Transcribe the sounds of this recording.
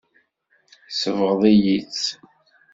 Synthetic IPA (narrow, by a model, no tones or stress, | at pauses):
səvəʁðˤijit͡sː